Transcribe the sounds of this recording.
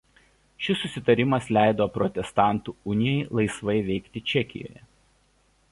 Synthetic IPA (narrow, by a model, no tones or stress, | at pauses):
ʃʲɪsːʊsʲɪt̪ɐɾʲɪmɐslʲæˑɪd̪oːpɾɔt̪ʲɛst̪ɑˑnt̪uːʊnʲɪjɛɪlˠɐɪsʋɐɪʋʲɛɪkt̪ʲɪt͡ʃʲɛkʲɪ̰jo̰ːjɛ